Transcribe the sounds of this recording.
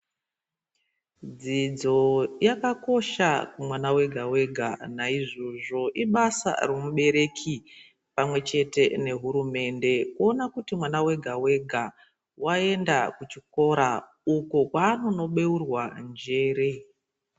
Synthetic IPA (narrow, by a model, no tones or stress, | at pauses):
d͡zid͡zo̞jakako̞ʃakumwanawe̞ɡʱawe̞ɡʱa̰naiʐo̞ʐo̞ʔiɓasa̰remuɓe̞ɾe̞kʰi | pamwe̞t͡ʃe̞te̞ne̞ɦuɾume̞nde̞kuonakutimwanawe̞ɡʱawe̞ɡʱa | wae̞ndakut͡ʃiko̞ɾa | ukokwaːno̞no̞ɓe̞urwand͡ʒe̞ːɾe